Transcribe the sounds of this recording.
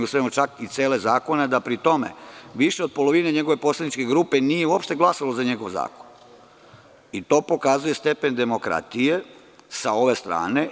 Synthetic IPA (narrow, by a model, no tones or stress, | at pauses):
usoemot͡ʃakit̪sjeːlezaːko̞ned̪apɾit̪o̞mḛʋiʃeopo̞lo̞ʋineɲe̞ɡo̞ʋe̞po̞slˠed̪nit͡ʃke̞ɡɾuːpe̞nijeuopʃt̪e̞ɡlˠasalo̞zaɲe̞ɡo̞ʋza̰ːko̥n | it̪o̞ːpo̞kazuje̞st̪e̞pe̞nd̪e̞mo̞kɾa̰t̪ije̞ | sao̞ʋe̞st̪ɾa̰ːne̞